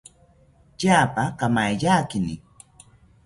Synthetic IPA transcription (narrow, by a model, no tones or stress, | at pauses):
t͡ʃaːpakamajʎaːkɪnɪ̰